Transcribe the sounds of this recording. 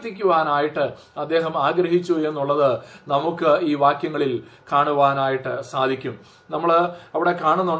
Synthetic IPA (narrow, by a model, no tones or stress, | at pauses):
t̪ːik̬ʲːuʋaːnaːjiʈːɨ | ɐd̪ːe̞ːɦɐmaːɡɾɐɦit͡ɕːue̞nːuɭːɐðɨnɐmukːɨiːʋaːkjɐŋːɐɭilkaːɳuʋaːnaːjiʈːɨsaːd̪ʱikʲːum | nɐmːɐɭɐʋiɽe̞kaːɳunːu